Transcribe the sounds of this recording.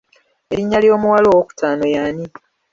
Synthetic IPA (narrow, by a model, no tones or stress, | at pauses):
eɾiɲːaljo̞ːmuwalo̞woku̥taːnojaːni